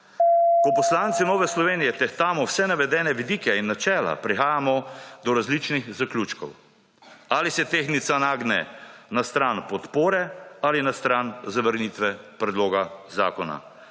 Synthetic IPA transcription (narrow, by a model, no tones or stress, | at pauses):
kɔpɔslaːnt̪sinɔːʋɛslɔʋeːnijɛt̪ɛxt̪aːmɔwsɛnaʋɛd̪ɛːnɛʋid̪iːkɛinːat͡ʃɛːla̰pɾixaːjamɔd̪ɔɾazlit͡ʃnixzaklʲuːt͡ʃkɔ̰w | aːlisɛt̪eːxnit̪sanaːɡnɛ̰nast̪ɾaːnpɔt̪poːɾɛalinast̪ɾanzaʋəɾniːt̪ʋɛpɾɛd̪loːɡaza̰ːkɔna̰